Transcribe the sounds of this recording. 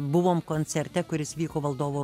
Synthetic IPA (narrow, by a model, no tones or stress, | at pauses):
bʊʋoːmkoːnʲsʲɛɾʲt̪ʲɛkʊɾʲɪsʋʲiːkoːʋɐlˠd̪oːʋoː